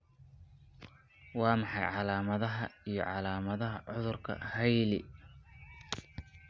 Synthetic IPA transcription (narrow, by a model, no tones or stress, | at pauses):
wɑːmɑħɑjʕɑlaːmɐðɐɦɐijɞ̰ʕɑlaːmɐðɐɦɐʕʊðʊrkʰɐ̰hɐjlɪ